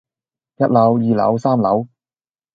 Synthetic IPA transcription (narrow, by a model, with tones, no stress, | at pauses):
jɐ˥t̚lɐ˨˥wjiː˨˧lɐ̰˨˥wsaː˥mlɐ˨˥w